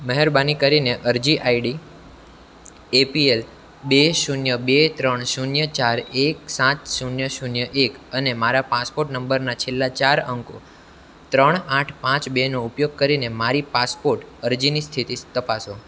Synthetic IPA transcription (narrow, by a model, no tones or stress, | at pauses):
məɦɛɾbanikəɾineʔəɾd͡ʒiʔaiɖi | epiel | beʃunjəbet̪ɾəɳ̃ʃunjət͡ʃaɾek̚sãt̪ʃunjəʃunjəʔekənemaɾapaspoɾʈnəmbəɾnat͡ʃʰelːat͡ʃaɾəŋko̰ | t̪ɾəɳ̃aʈʰpãt͡ʃbenoupjoɡ̚kəɾinemaɾipaspoɾʈəɾd͡ʒinist̪ʰit̪it̪əpaso